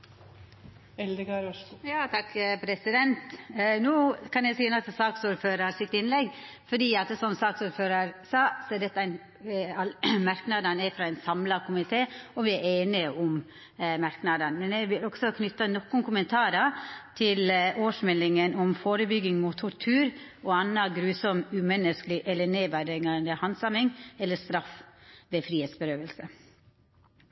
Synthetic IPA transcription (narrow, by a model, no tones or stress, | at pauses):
ɛld̪ɪkɑɾjɑːt̪ʰɑkːpʰɾɛsɪd̪ɛnt̪noːkʰɑnjɛɪsɔɛnɑt̪ʰsɑːksuːɾføːɾəɾsɪt̪ːɪnlɛɡ | fɔɖiːɑt̪sɔmsɑːksuːɾføːɾəɾsɑːsɔɛd̪ɛt̪ːəæn | ɑlmɑɾknɑd̪ɑnæfɾɑæɪnsɑmlɑkʰʊmɪt̪ʰeːɔʋɪæɾeːnɪʔʊm | mɑɾknɑd̪ɑnmɛnɛɪʋɪlɔɡsɔkʰnʏt̪ːənɔkːʊnkʰʊmənt̪ʰɑːɾɑt̪ʰɪloːʂmɛlːɪŋənɔmfoːɾəbʏɡɪŋmut̪ʰɔɾʈʰʉːɾɔɑnːɑɡɾʉːsɔmʉmɛnːəsklɪʔɛlːəneːʋæɖɪɡɑnd̪əhɑnsɑmɪŋɛlːəst̪ɾɑfʋeːfɾiːheːt̪sbəɾøːʋəlsə